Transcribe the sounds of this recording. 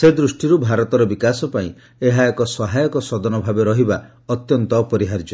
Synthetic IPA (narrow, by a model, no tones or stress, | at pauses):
sed̪ɾusʈiɾubʱaɾɔt̪ɔɾɔbikasɔpaĩ | eɦaekɔsɔɦajɔkɔsɔd̪ɔnɔbʱabeɾɔɦiba | ɔt̪jɔnt̪ɔːpɔɾiɦaɾd͡ʒɔ